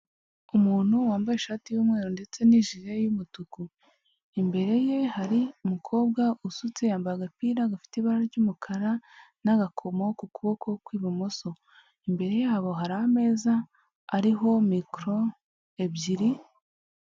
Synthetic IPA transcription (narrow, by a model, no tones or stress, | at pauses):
umuːn̥huwaːmbajeʃaːtijuːmŋe̞ːɾonde̞t͡se̞niʒiɾe̞jumutuku | imbe̞ɾe̞je̞haɾiumukʰo̞ːbɡaʔusut͡sejaːmbaɾaɡapiːɾaɡafi̥teiβaɾaɾɟuːmukʰaɾanaɡakʰo̞mo̞kukuβo̞kʰo̞kwiːβamoso̞ | imbe̞ɾe̞jehaβo̞ɦaɾahame̞ːzaː | ɾiɦo̞mikɾo̞ | ebɟiɾi